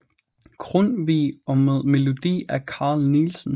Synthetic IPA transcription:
ɡ̥ʰʁɔnʋiːɒ̽meðˠme̝lo̝d̥ḭːækʰɑ̰̈ːlniːlsn̩

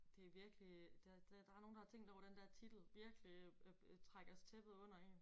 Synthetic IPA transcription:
d̥e̝æʋiɐɡ̥əlid̥ed̥d̥ɑ̈æɐno̝ːn̩dɑt͡sʰe̝ŋ̰d̥ɒʊɐd̥end̥æɐt͡sʰid̥l̩ʋiɐɡ̥lit͡sʰʁaɡ̥ɐst͡sʰeb̥ð̩ˠɔ̽n̰ɐe̝n

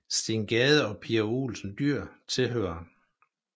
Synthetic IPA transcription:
sd̥iŋɡ̥ɛːð̞ˠəɒ̽pʰiæo̰ːlsn̩d̥yɐ̰t͡sʰe̝lɦøːɐ

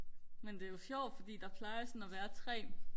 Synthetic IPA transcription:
mend̥e̝æjo̝sjɒʊ̰d̥fɒ̽d̥ḭːd̥ɑ̈pʰlɑ̈ɪɐsɒnæʋæːɐt͡sʰʁɛ̰ː

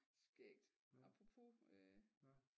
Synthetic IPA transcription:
sɡ̥eɡ̥̚d̥ | ɑ̈pʰʁopʰo̝ø

